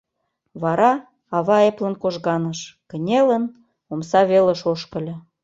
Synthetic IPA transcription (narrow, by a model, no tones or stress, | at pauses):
βɑɾɑ | ɑβɑeplə̆nkoʒɣɑnəʃkə̆nʲelən | omsɑβelə̆ʃoʃkə̆lʲɤ̆